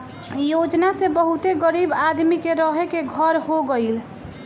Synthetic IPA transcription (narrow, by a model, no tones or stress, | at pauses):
jod͡ʒnasebəɦut̪eɡəɾibad̪mikeɾəɦekeɡʱəɾɦoɡəɪl